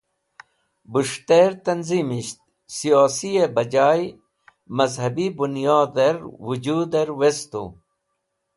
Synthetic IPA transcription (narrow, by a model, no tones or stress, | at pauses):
buʂt̪eɾt̪ɐnzimiɕt̪̚ | sijoːsijebɐd͡ʑaːj | mɐzhɐbibunjoːd̪eɾwud͡ʑuːd̪eɾwest̪ṵ